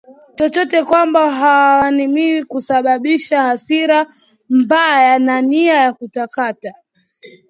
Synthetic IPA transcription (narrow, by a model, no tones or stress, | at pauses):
t͡ʃɔt͡ʃɔtɛkwambaɦawwanimiwikusaɓaɓiʃahasiɾa | mbajananiajakutakata